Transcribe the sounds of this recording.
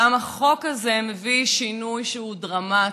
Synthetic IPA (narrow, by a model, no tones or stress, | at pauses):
amaχo̞kazemeviʃinujʃeudʁama